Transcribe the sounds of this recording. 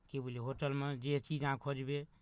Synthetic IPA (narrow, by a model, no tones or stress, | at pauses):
kebʱuleɦoʈəlmed͡ʒet͡ʃid͡ʒɦãkʰod͡ʒbe